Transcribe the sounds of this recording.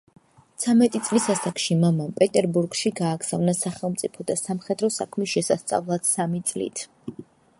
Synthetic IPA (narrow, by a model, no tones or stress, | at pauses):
t̪sʰamɛt̪ʼit̪sʼlisasakʃimamampʼɛt̪ʼɛɾbuɾɡʃiɡaːɡz̥avnasaχɛlˠmt̪sʼipʰɔd̪asamχɛd̪ɾɔsa̰kʰmisʃɛsast̪sʼa̰vlˠat̪samit̪sʼlḭt̪ʰ